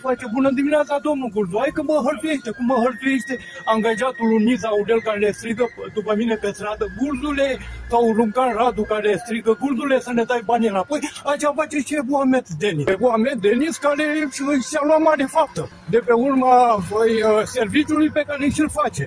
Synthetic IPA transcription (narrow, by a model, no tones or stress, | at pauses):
fat͡ʃebunəd̪iminʲat̪sad̪omnulɡuɾd̪uajkəməɦəɾt̪ueʃt̪ekumːəɦəɾt̪ueʃt̪e | aŋɡaʒat̪ulunisauɖelkaɾelest̪ɾiɡəd̪upəminepest̪ɾad̪əɡurd̪ulesawɾuŋkanrad̪ukaɾeest̪ɾiɡəɡurd̪ulesənet̪ajbanʲelapojat͡ʃafat͡ʃeʃebuamet̪d̪enibuamet̪d̪eniskaɾeɨsaluamaɾefap̚t̪ə | d̪e̞peurmaəjservit͡ʃʲulujpekaɾeʃilfat͡ʃe